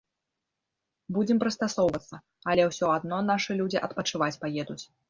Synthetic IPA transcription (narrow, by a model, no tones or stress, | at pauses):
bud͡zʲɛmpɾɨst̪asɔwvɐt̪sːɐ | ɐlʲɛwsʲɔad̪nɔnaʂɨlʲud͡zʲiʔɐt̪pɐt͡ʂɨvat͡sʲpajɛd̪ut͡sʲ